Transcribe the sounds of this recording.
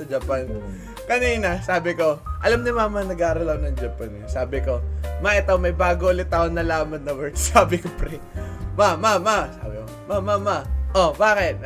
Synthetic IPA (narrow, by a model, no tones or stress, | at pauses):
ɐd͡ʒɐpan | kɐniːnɐsaːbɪko̞ʔɐlamnɪmaːmɐnɐɡaːɾɐlɐknɐŋd͡ʒɐpansaːbɪko̞mɐʔɪt̪owmɐjbaːɡoʔʊlɪt̪ːaʔonːɐlaːmɐnːɐwɛɹt̪saːbɪkopɾɛ | mamamasa̰ːbɪkomamːamaʔobaːkɪt̪̚